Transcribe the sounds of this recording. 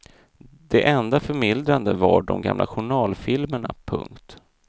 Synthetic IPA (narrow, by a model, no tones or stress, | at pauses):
d̪ɛʔɛnd̪afœɾmɪld̪ɾand̪əvaɖɔmɡamlʔaɧʊɳɑːlfɪlməɳapʰɵ̰ŋkt̪